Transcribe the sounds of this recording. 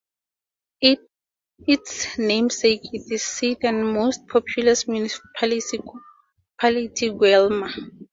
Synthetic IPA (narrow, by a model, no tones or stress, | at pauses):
itsnẽmsekʰitizsidɛ̃nmost̚pʰɔpʰjulasmjunispʰalisi | pʰalitʰiɡwɛlma